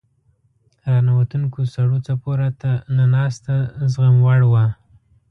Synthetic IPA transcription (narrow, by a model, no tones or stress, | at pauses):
ɾanawat̪uŋkosaɽut͡sapoɾat̪ananɑst̪azɣamwaɽwa